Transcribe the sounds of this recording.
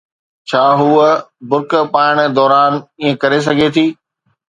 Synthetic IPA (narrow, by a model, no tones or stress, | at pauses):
t͡ɕʰaːɦuːəbʊɾkpaːɪɽ̃d̪ɔːɾaːniːẽkɐɾes̬ɐɡʱet̪ʰiː